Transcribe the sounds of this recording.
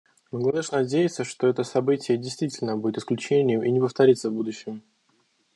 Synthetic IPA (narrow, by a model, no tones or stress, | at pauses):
məɡlˠɐd̪ɨʂnɐdʲejɪt̪səʂt̪o̞ɛt̪əsɐbɨtʲɪjədʲɪjst̪vʲitʲɪlʲnəbudʲɪt̪ɪsklʲʉt͡ɕenʲɪjʊmʔinʲɪpəft̪ɐɾʲit̪səvbud̪ʊɕːɪm